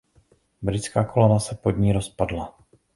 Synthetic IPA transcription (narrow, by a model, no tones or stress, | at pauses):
bɾɪt͡skaːkʰolonasɛpodɲiːɾospadla